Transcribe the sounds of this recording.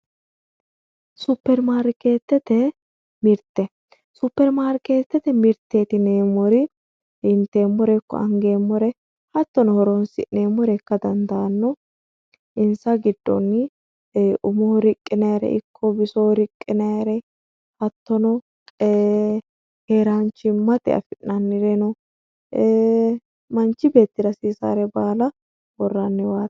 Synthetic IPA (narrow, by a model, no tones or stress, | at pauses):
supːɛɾmaːɾkeːt̪ːɛt̪ɛ | mɪɾt̪ːɛ | supːɛɾmaːɾke̞ːt̪ːɛt̪ɛmɪɾt̪ːeːt̪ɪneːmɔɾɪ | ɪnt̪ːe̞ːmːɔɾɛkːɔ̰ɐŋɡe̞ːmːɔɾɛ | hɐt̪ːɔnɔhɔɾɔnsɪne̞ːmːɔɾɛkːɐd̪ɐnd̪aːnːɔ | ɪnsɐɡɪd̪ːɔ̰nː | ʔʊmɔhɾɪkʼːɪnɐjaɾɛ̰ʔɪ̰kʰːɔbɪsoɾɪkʼːɪnɐjɐɾɛ | hɐt̪ːɔnɔ | heːɾant͡ʃːɪmɐt̪ɛ̰ɐ̰fɪnːɐnːɪɾɛnɔ | mɐnt͡ʃːɪbe̞ːt̪ːɪd̪ɐsiːsa̰ːɾɛbaːlɐ | wɔrːɐnːɪwaːt̪